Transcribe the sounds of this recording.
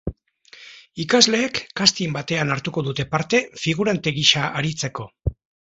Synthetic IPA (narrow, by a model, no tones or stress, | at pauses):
ikazle̞ːkːast̪imbat̪e̞anaɾt̪uko̞ðut̪e̞paɾt̪e̞fiɣ̞uɾant̪e̞ɣiʃaʔaɾit͡se̞ko̞